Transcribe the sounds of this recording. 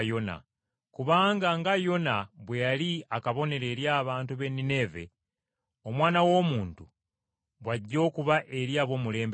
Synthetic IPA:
jona̰ | kuβaːŋɡaŋɡajo̞naβwe̞jaliakaβo̞ne̞ɾe̞ɾjaːβaːntuβe̞nːine̞ve̞̰ | o̞mwaːnawo̞ːmuːntu | βwaɟːo̞ːkuβaʔe̞ɾjaːβo̞ːmule̞ːmb

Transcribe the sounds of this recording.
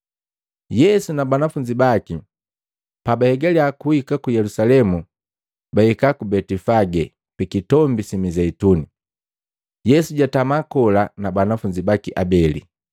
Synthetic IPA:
jɛsunabanafuɲd͡ʒibaki | pabahɛɡaliakuhikakujɛlusalɛmu | baikakubɛtifaɡɛ | pikitɔmbisimizɛituni | jɛsuɟatamakɔlanabanafuɲd͡ʒibakiʔabɛlḭ

